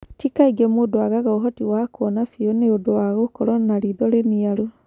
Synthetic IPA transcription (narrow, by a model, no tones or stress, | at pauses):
tikaiɡɛmoːdoaɣaɣaoɦɔtiwakwɔnafiɔneodowaɣokɔɾɔnaɾiðɔɾeniaɾo